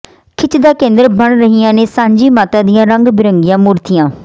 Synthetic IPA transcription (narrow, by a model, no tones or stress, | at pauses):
kʰɪt͡ʃd̪aːkẽːnd̪əɾbəɳɾəɦijãːneːsãːɲd͡ʒiːmaːt̪ãːd̪ijãːɾəŋɡbɪɾəŋɡɪjãːmuːɾt̪ijãː